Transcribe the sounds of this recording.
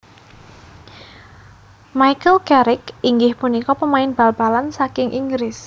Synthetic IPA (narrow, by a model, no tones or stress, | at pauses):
majkəlkɛɾɪkiŋɡɪhpunikɔpəmaɪnb̥a̤lb̥a̤lansakɪŋʔiŋɡɾɪs